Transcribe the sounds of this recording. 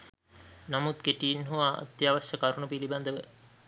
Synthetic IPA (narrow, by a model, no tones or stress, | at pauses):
namut̪keʈiːnɦuʋaːʔːt̪jaːʋaʃəkaɾunupiliband̪əʋə